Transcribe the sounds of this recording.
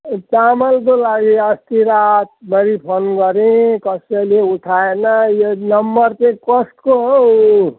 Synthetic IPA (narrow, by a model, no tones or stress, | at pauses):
t̪amʌld̪olaɡeʌst̪iɾat̪̚bʌɾipʰonɡʌɾẽkʌseleuʈʰaenʌjenʌmbʌɾtekɔsʈkoɦo